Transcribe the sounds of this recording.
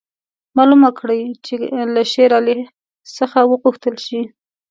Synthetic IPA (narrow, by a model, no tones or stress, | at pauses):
mɑlumakɽəjt͡ʃelaʃeɾale | səxawəɣuxt̪əlʃi